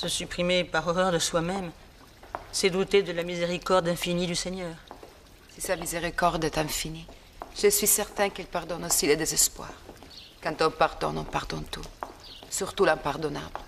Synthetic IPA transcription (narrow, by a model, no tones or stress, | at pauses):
səsypχimepaʁɔʁœʁd̪əswamɛm | sɛd̪ut̪ed̪əlamizeʁikɔʁd̪ɛ̃finid̪ysɛɲœːʁ | sisamizeʁikɔʁd̪ɛt̪ɛ̃fini | ʒ̥əsɥisɛʁt̪ɛ̃kɛlpaʁd̪ɔnosiled̪ezɛspwa̰ːʁ | kɑ̃t̪ɔ̃paʁd̪ɔ̰̃nɔ̃paʁd̪ɔ̃t̪usyʁt̪ulɛ̃paʁd̪ɔna̰bl